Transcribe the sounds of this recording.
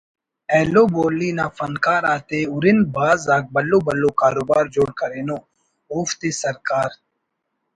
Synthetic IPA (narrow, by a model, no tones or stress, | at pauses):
ɛːloːboːlːiːnaːfɐnkaːɾaːt̪eːʊɾɪnbaːzaːk̚bɐlːoːbɐlːoːkaːɾoːbaːɾd͡ʒoːɽkɐɾeːnoː | oːft̪eːsɐɾkaːɾ